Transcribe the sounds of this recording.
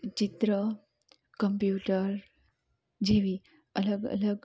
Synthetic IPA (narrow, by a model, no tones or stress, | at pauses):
t͡ɕit̪ɾə | kəmpjuʈəɾ | d͡ʑeʋi | ələɡə̰ləɡ